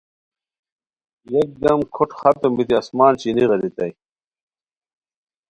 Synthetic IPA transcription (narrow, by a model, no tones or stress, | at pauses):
jek̚d̪ɐmkʰoʈxɐt̪ombit̪iɐsmaːnt͡ɕiniʁɐd̪it̪ɐj